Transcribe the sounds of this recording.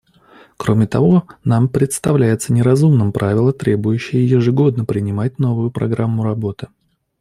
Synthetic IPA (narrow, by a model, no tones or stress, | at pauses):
kɾo̞mʲɪt̪ɐvo̞nampɾʲɪt̪st̪ɐvlʲæjɪt̪sənʲɪɾɐzumnɨmpɾʔavʲɪlˠət̪ɾʲe̞bʊjʉɕːɪjəjɪʐɨɡo̞d̪nəpɾʲɪnʲɪmat̚ʲno̞vʊjʊpɾɐ̰ɡɾamːʊɾɐbo̞t̪ɨ